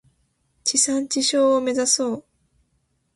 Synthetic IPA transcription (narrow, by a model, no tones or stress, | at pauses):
t͡ɕisãɲ̟t͡ɕiɕo̞ːme̞zaso̞ː